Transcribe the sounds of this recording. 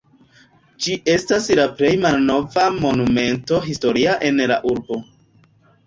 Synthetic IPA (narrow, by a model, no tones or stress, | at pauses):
d͡ʒiʔe̞staslaple̞jmalno̞vamo̞nume̞nto̞ɦisto̞ɾiaʔe̞nla̰ʔuɾbo̞